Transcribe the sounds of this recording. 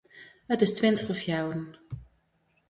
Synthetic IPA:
ɦətɪstʋɪntəχəfjawən

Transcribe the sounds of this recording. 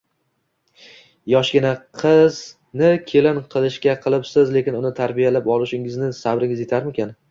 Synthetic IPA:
jɒʃɡʲɪnaqʰɨz | nɪkʲʰe̞lɪnqʰɨlˠɪʃkʲaqʰɨlˠɪpsɪzle̞kʲɪnʊnɪt̪ʰaɾbijalapɒlˠɪʃɪŋɪznɪsabɾɪŋʲɪzjet̪ʰaɾmɪkʲan

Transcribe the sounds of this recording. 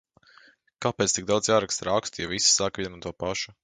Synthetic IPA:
kaːpeːt̪iɡ̚d̪awd̪zjaːɾakst̪ɾakst̪javisi̥saːkviɛnut̪uɔpaʃu̥

